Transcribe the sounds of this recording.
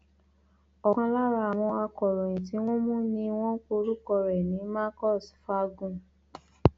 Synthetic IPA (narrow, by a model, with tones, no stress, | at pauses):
ɔ˨kã˧la˦ɾa˧˨w̃ɔ̃˧a˧kɔ˨ɾɔ̃˨ĩ˨ti˨˦w̃ɔ̃˦mũ˦nĩ˧w̃ɔ̃˦ko˧ɾu˦kɔ˧ɾɛ˨nĩ˨˦ma˦kɔ˦˨sfa˦ɡũ˦˨